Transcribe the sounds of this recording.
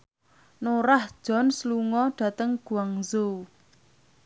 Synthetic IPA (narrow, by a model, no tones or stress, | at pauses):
noɾahd̥ʒ̥ɔ̤nsluŋɔɖ̥ä̤t̪əŋɡ̥ṳaŋzo